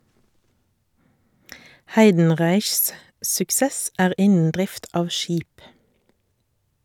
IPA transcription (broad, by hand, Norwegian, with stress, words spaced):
ˈhæɪdn̩ˌʁæɪçs sʉkˈsɛs ˈæːʁ ˈɪnn̩ ˈdʁɪft ˈɑːʋ ˈʃiːp